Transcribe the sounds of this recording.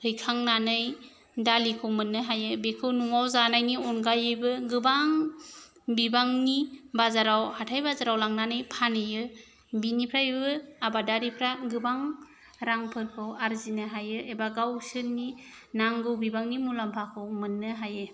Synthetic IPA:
hʰɯjkʰaŋnanɯj | dalikʰɯwmɯnːɯɦajɯbekʰɯwnuŋawzanajniɔnɡajɯbɯɡɯbaŋ | bibaŋnibazaɾawhatʰajbazaɾawlaŋnanɯjpʰanɯjɯ | binipʰɾajbɯabadaɾipʰɾaɡɯbaŋ | ɾaŋpʰɯɾkʰɯwaɾzinɯɦajɯʔebaɡawsɯni | naŋɡɯwbibaŋnimulampʰakʰɯwmɯnːɯɦajɯ

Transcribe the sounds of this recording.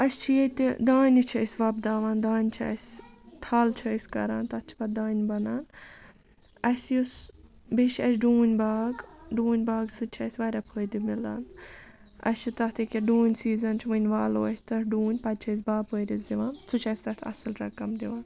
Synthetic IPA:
ɐst͡ʃʰijet̪id̪aːnʲit͡ʃʰɐsʲʋɐbd̪aːʋaːnd̪aːnʲt͡ʃʰiɐ̰sʲt̪ʰaːlt͡ʃʰəsʲkɐ̰ɾaːnt̪ɐt̪̚t͡ʃʰi̥pɐd̪aːnʲbɐnaːn | ɐsʲjus | biʃɐs̬ʲɖuːnʲbaːɡɖuːnʲbaːɡsɨt͡ʃʰɐsʲʋɐɾʲapʰəːjd̪imila̰ːn | ɐ̰sʲt͡ʃit̪ɐt̪ʰikʲiɖuːnʲsiːzɐnt͡ʃʰiʋɨnʲʋaːlo̰ːɐsʲt̪ɐʈʰɖuːnʲpɐd̪̚t͡ʃʰɐs̬ʲbaːpəɾʲisd̪iʋaːnsut͡ʃʰɐsʲt̪ɐɾt̪ʰɐ̰sɨlɾɐkɐmd̪iʋaːn

